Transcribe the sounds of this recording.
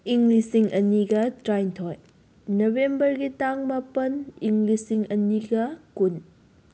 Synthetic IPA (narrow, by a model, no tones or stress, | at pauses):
iŋɡlisiŋʔɐniɡɐtɾajntʰoj | nobembɐɾɡitaŋmapɐniŋɡlisiŋɐniɡɐkun